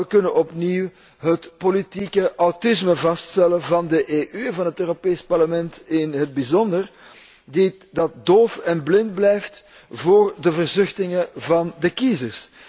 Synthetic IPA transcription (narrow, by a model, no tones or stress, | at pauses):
əkɵnənɔpniw | ɦətpolitikəʔawtɪsməvɑststɛlənvɑndəʔeːʔyɛnvɑnɦətøːropeːspɑrləmɛntɪnɦəd̚bizɔndər | di | dɑt̚doːfɛnblɪnd̚blɛjft | voːrdəvərzʏxtɪŋəvɑndəkizərs